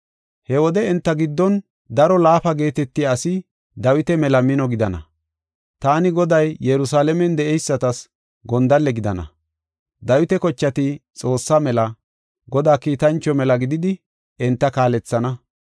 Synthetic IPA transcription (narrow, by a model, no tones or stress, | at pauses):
hɛwɔd̪ɛɛnt̪ːɐɡɪd̪ːɔn | d̪ɐɾɔlaːfɐɡe̞ːt̪ɛt̪ːɪaːsɪ | d̪ɐwɪt̪ɛmɛlɐmɪnɔɡɪd̪ɐnɐ̰ | t̪aːnɪɡɔd̪ɐjːɛɾʊsaːlɛmɛnd̪ɛʔɛjsːɐt̪ɐs | ɡɔnd̪ɐlːɛɡɪd̪ɐnɐ̰ | d̪ɐwɪt̪ɛkɔt͡ʃːɐt̪ɪt͡sʼo̞ːsːamɛlɐ | ɡɔd̪aːkiːt̪ɐnt͡ʃːɔmɛlɐɡɪd̪ɪd̪ɪ | ɛnt̪ːɐkaːlɛt͡sːɐnɐ